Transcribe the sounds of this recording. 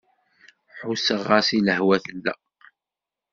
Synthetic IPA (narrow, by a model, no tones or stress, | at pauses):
ħusəʁːɑsiləhwæθəlːæ̰